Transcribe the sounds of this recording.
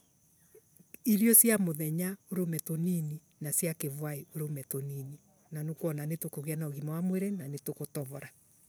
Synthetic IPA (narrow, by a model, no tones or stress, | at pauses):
iɾjɔsjamoðɛɲaoɾomɛtonini | nasjakevwaeoɾomɛtonini | nanokwɔnanetokoɣianaoɣimawamweɾenanetokotɔβɔɾa